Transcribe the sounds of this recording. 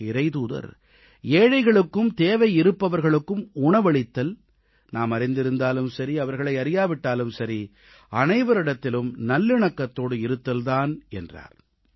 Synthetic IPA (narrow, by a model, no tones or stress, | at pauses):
ɪɾɐɪt̪uːðɐ̰ɾ | eːɻɐɪɣɐɭɯkːɯmt̪eːʋɐɪɪɾɯpːɐʋɐɾɣɐɭɯkːɯmʊɳɐʋɐɭɪt̪ːɐl | naːmɐɾɪnd̪ɪɾɯnd̪aːlɯmsɐɾiɐʋɐɾɣɐɭɐɪɐɾɪjaːʋɪʈːaːlɯmsɐɾi | ɐnɐɪʋɐɾɪɽɐt̪ːɪlɯmnɐlːɯɳɐkːɐt̪ːoːɽɯɪɾɯt̪ːɐlðaːnɛndra̰ːɾ